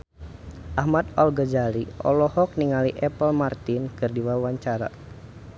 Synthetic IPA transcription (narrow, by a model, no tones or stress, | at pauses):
ʔahmat̪ɔlɡəd͡ʒaliɔ̰lɔhɔk̚niŋaliʔɛpəlmart̪inkɨrdiwawaɲt͡ʃaɾa̰